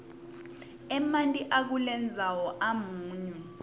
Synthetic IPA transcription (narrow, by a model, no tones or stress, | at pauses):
ɛmantʼiʔak̬ulɛnd͡zʱawɔʔamuːɲɛ